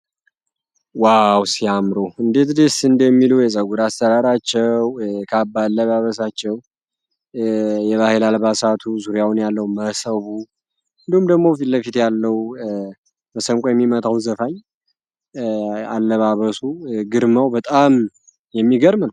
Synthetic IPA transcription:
wawsiamɾoɨnd̪e̞t̪d̪esɨnd̪əmːiluwjɛsʼəɡuɾast̪əɾaɾat͡ʃːɛwkʰəabːalːəβaβəs̬at͡ʃːɛw | jɛβahelalbasat̪ʰuzuɾjawunjalːəwuməsəβu | ɨnd̪ihumd̪əɡmo̞fillːəfit̪jalːəw | məsəmkʼojɛmːimət̪ʰawnzəfaɲ | alːəβaβəsuɡɨɾmawbət̪ʼam | jɛmːiɡəɾmnw

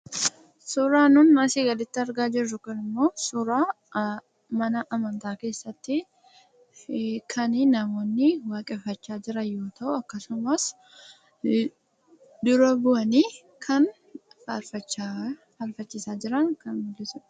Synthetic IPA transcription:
suːɾaːnʊnmɐsɪɡɐlɪt̪ːɪɐɾɡaːd͡ʒɪrːʊkɐnɪmːo̞ːsuːɾaː | mɐnɐʔɐmɐnt̪aːke̞ːsːɐt̪ːɪ | kʰɐnɪnɐmo̞ːnːɪwaːkʼɛfːɐt͡ʃːaːd͡ʒɪɾɐjo̞ːt̪ʰɐʔʊɐkːɐsʊmɐs | d̪ʊɾɐbʊʔɐniː | kʰɐn | ɐɾfɐt͡ʃː | hɐɾfɐt͡ʃːɪsaːd͡ʒɪɾɐŋkɐnbʊlːɪsʊn

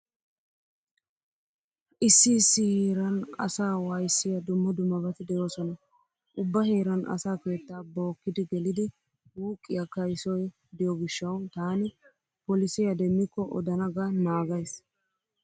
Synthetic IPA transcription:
ʔɪsːɪːsːɪheːɾɐnɐ̰saːwajsːɪjɐd̪ʊmːɐd̪ʊmːɐbɐt̪ɪd̪ɛjo̞ːsɔnɐ | ʔʊbːɐheːɾɐnʔɐ̰saːke̞ːt̪ːaːbo̞ːkːɪd̪ɪɡɛlɪd̪ɪ | huːkʼːɪjɐkɐjsɔj | d̪ɪjɔɡɪʃːɐwt̪aːnɪ | pɔlɪsɪjɐd̪ɛmːɪkːɔʔɔ̰d̪ɐnɐɡɐnaːɡɐjs

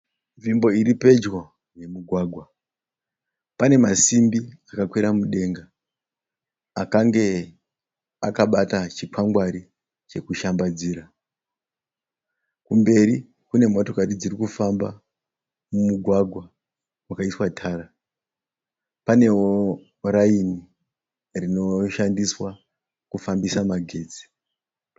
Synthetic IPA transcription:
ʐimbo̞iɾipe̞d͡ʒwo | ne̞muɡʱwaːɡʱwa | pane̞masimbiakakwiɾamuɗe̞ŋɡa | kaŋɡe̞ | akaɓatat͡ʃikwaŋɡwaɾi | t͡ʃe̞kuʃambad͡ziːɾa | kumbe̞ɾi | kune̞mo̞to̞karid͡ziɾikufamba̰ | mumuɡʱwaɡʱwa | wakaiswatʰaːra | pane̞o | ɾaini | rino̞ʃandiswa | kufambisamaɡʱe̞ːd͡zi̥

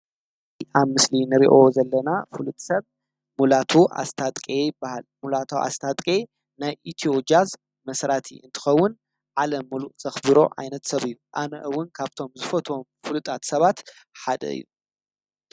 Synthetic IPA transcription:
aβmɨslinɨɾiʔo̞zɐlːɐnafɨlut̪ʼsɐβ | mulat̪ʰuʔa̰st̪ʰat̪ʼkʼejɪbːahalmulat̪ʰoʔa̰st̪ʰat̪ʼkʼe | najʔit̪ʰio̞d͡ʒjaz | mɐsɾat̪ʰḭʔɨ̰nt̪ʰɨ̥xɐwːʊn | ʕalɐmːɨluʔzɐxbɨɾo̞̰ʕa̰jnɐt̪sɐβɨjːuʔanɐʔɨwːʊnkʰaβt̪ʰo̞mzɨfɐt̪ʰo̞mfɨlut̪ʼat̪sɐβat̪ħad̪ɐ̰ɨ̰jːu

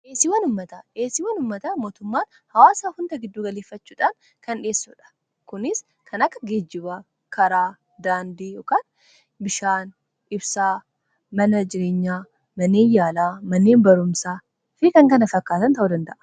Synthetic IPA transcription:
ʔeːsɪwɐnʊmːɐt̪ɐʔeːsɪwɐnʊmːɐt̪ɐmo̞ːt̪ʊmːaːn | hɐwaːsaːhʊnd̪ɐɡɪd̪ːuːɡɐleːfːɐt͡ʃːuːᶑaːn | kɐnᶑe̞ːsːʊːᶑɐ̥ | kʊnɪs | kʰɐnɐkːɐ̥ɡeːd͡ʒːɪβɐ | kʰɐɾaː | d̪aːnd̪iːjoːkaːn | bɪʃaːn | ɪbsaː | mɐnɐd͡ʒɪɾe̞ːɲːaː | mɐnːe̞ːnjaːlaːmɐnːeːnbɐɾʊmsaː | fɪkɐŋkɐnɐfɐkːaːt̪ɐnt̪ɐʔuːd̪ɐnd̪ɐʔɐ̥

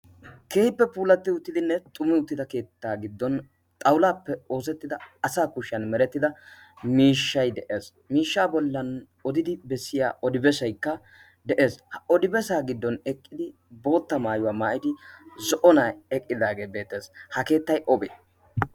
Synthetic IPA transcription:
ke̞ːhɪpːɛpuːlɐt̪ːɪʊt̪ːɪd̪ɪnːɛt̪ʼʊmːɪʊt̪ːɪd̪ɐke̞ːt̪ːaːɡɪd̪ːɔn | t̪ʼɐwlaːpːɛo̞ːsɛt̪ːɪd̪ɐɐsaːkʊʃːɐnmɛɾɛt̪ːɪd̪ɐ | miːʃːɐjd̪ɛʔe̞ːs | miːʃːaːbɔlːɐn | ɔd̪ɪd̪ɪbɛsːɪja̰ːɔd̪ɪbɛsɐjkːɐ | d̪ɛʔe̞ːshɐɔd̪ɪbɛsaːɡɪd̪ːɔnɛkʼːɪd̪ɪ | bo̞ːt̪ːɐmaːjʊwaːmaːʔɪd̪ɪzɔʔɔnaɛkʼːɪd̪aːɡe̞ːbe̞ːt̪ːe̞ːshɐke̞ːt̪ːɐjʔɔbe

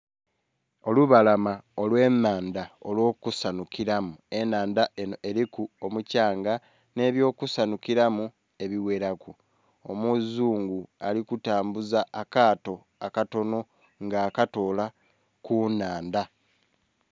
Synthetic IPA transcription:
o̞luβalamao̞lwe̞ːnːaːnd̪ao̞lwo̞ːkusanukiɾamue̞naːndaeɾikuomucaːŋɡa | ne̞ːβjo̞ːkusanukiɾamu | e̞βiwe̞ɾaku | o̰muzuːŋɡua̰likutaːmbuzaːkaːto̞ | akato̞no̞ | ŋɡaːkato̞la | kunaːnd̪a

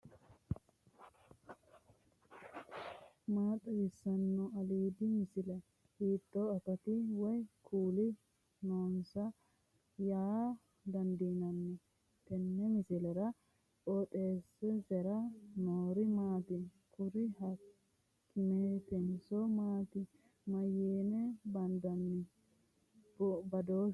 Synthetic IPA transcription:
maːt̪ʼɐɡɪsːɐnːɔɐliːd̪ɪmɪsɪlɐ | hiːt̪ːɔɐtɐt̪ɪwɔjkʰuːlɪ | noːnsɐ | jaː | d̪ɐnd̪iːnɐnːɛ | t̪ɛnːɛmɪsɪlɛɾɐ | ʔot̪ʼeːsɛsɛɾɐnoːɾɪmaːt̪ɪ | kʊɾɪhɐ | kːɪmet̪ɛnsɔmaːt̪ɪ | mɐjeːnɛbɐnd̪ɐnːɛ | bbɐd̪oː

